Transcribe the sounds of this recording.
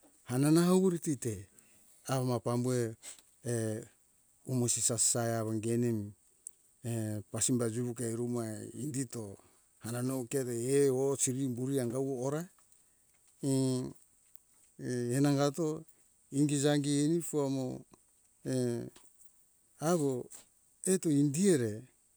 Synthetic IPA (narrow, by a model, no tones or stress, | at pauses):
hananahawβuɾitite | aβamapambue̞ː | umosisasaeaβaŋɡe̞nem | epasimbad͡ʒuβukajɾumaindito̞ | hananoketeeosiɾimbuɾiaŋɡawoːɾa | enaŋɡato̞ | iŋɡid͡ʒaŋɡienipuamo | e | aβo | etoindie̞ɾe̞